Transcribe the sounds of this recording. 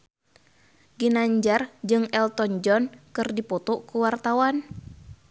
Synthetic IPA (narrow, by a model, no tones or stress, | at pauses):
ɡinaɲd͡ʒard͡ʒɨŋɛlt̪ɔnd͡ʒɔnkɨrdipɔt̪ɔkuwart̪awan